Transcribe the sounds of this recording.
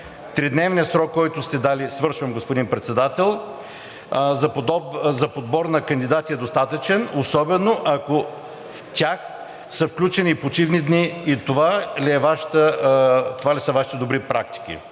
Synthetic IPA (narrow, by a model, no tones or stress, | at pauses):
t̪ɾid̪nɛvnijəsɾɔkːɔjt̪ʊst̪ɛd̪alisvəɾʃvəmɡospod̪inpɾɛt̪sɛd̪at̪ɛlˠ | zɐpd̪ɔzɐpod̪̚bɔɾnɐkɐnd̪id̪at̪ʲiɛd̪ost̪at̪ət͡ʃɛnosɔbɛnoʔɐko | t̪ʲax | sɐfklʲut͡ʃɛnʲipot͡ʃivnid̪niit̪ovaliɛvaʃi̥t̪ət̪ovalisəvaʃi̥t̪ɛd̪obɾipɾak̚t̪i̥kʲḭ